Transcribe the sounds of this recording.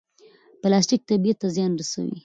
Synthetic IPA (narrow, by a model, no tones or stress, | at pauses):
plɑsʈik̚t̪abijat̪ːazjɑnɾasa̰wḭ